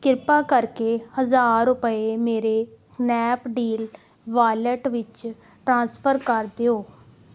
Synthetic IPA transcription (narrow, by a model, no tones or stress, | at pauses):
kɪɾpaːkəɾkehəzaːɾʊpəemeːɾeːsnɛːpɖiːl | ʋaːləʈʋɪt͡ʃ | ʈɾãːnspʰəɾkəɾd̪eoː